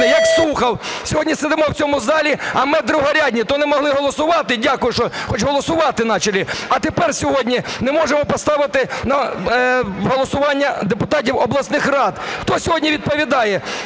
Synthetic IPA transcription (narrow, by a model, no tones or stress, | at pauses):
ɪjɐkslˠuxɐwsʲɔɦɔdʲnʲisɛd̪ɪmɔwt͡sʲɔmʊzɑlʲiɐmɪd̪ɾʊɦɔɾʲadʲnʲit̪ɔnɛmɔɦlˠɪɦɔlˠɔsʊʋɑt̪ɪdʲakʊjʊʃɔxɔt͡ʃɦɔlˠɔsʊʋɑt̪ɪnɑt͡ʃɐlʲiɐt̪epɛrsʲɔɦɔdʲnʲinɛmɔʒemɔpɔst̪ɑʋɪt̪ɪnɐ | ɦɔlˠɔsʊʋɑnʲːɐd̪epʊt̪ɑt̬ʲiwɔblˠɐsnɪxrɑd̪xt̪ɔsʲɔɦɔdʲnʲiʋʲid̪̚pɔʋʲid̪ɑjɛ